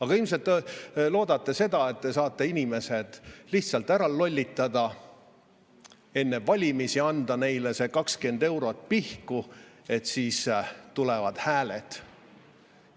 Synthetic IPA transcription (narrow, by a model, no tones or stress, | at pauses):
ɑɡ̥ɑilms̬e̞lt̪ːˑelo̞ːd̪̥ɑt̪ːese̞d̪ɑe̞t̪̚ːe̞sɑːt̪ːˑe̞inime̞se̞d̪̥liht̪sɑlt̪ːˑæɾɑlːo̞lʲːit̪ːˑɑd̪̥ɑ | e̞nːe̞vɑlʲimisiɑnd̪̥ɑne̞jlese̞kɑkskend̪e̞wɾo̞t̪̚ˑpihkue̞t̪siːst̪ulevɑd̪̥hæːlet̪